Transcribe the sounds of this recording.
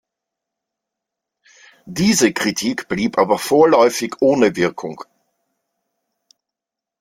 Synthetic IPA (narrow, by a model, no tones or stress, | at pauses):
d̥iːzəkʁ̥itʰiːkb̥liːpʔaːbɐfoːɐlɔʏfɪçʔoːnəvɪɐkʰʊŋ